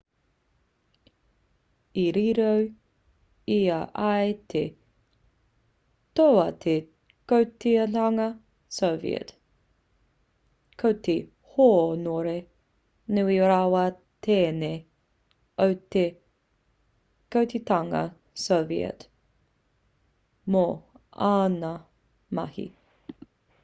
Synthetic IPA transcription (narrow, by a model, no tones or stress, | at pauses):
iɾiɾow | iɐʔajt̪ʰe | t̪owɐt̪ʰe | kowt̪itɐŋɐ | sovḭɛ̰t̪ | kʰowt̪ʰe | hoːnoɾe | nuioɾawɐ | tʰeːne | owte | kowt̪et̪ɐŋɐ̰ | sovḭə̰t | mo | anɐ | mɐhḭ